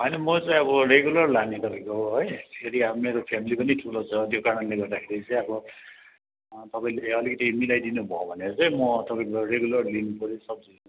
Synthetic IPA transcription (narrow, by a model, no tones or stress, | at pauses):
ɦʌjnʌmʌt͡sãj̃ʌbʌreɡjulʌrlanit̪ʌpaĩkoɦʌjsʰʌɾiʌbʌmeɾopʰamilipʌniʈʰulot͡sʰʌt̪̬jokaɽʌnleɡʌrd̪akʰeɾit͡sʌj̃ʌbʌ | t̪ʌpaĩleʌlikʌt̪imilajd̪inubʱʌobʱʌneɾʌt͡sʌj̃mʌt̪ʌpaĩkoɾeɡulʌrlinpuɾisʌb̚d͡zʌ